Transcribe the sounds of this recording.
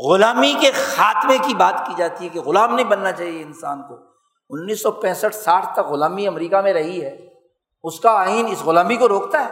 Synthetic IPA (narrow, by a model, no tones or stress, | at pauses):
ɣʊlaːmikexaːt̪mẽkibaːt̪kid͡ʒaːt̪iɦɛkeɣʊlaːmnɐɦĩbɐnːat͡ʃaːɦieɪnsa̰ːnko | ʊnːiːsːɔpɛ̃ːsəʈʰsaːʈʰt̪ɐkɣʊlaːmiɐmɾiːkamẽɾɐɦiɦɛː | ʊskaaːiːnɪsɣʊlãːmbikoɾoːkt̪aɦɛː